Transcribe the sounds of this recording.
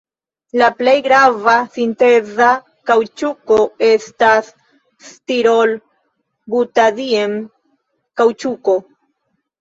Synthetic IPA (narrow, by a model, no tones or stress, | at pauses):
laple̞jɡɾavasinte̞za | kawt͡ʃukoe̞stasː | tiɾol | butadiem | kawt͡ʃuko̞